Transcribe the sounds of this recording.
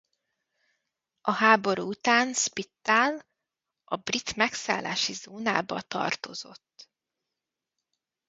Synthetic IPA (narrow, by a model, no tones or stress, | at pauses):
ʔɒɦaːbo̞ɾuːut̪aːnspit̪ːal | ɒbrit̪mɛksa̰ːlːa̰ːʃizoːna̰ːbɒt̪ɒ̰rt̪o̞zo̞t̪ː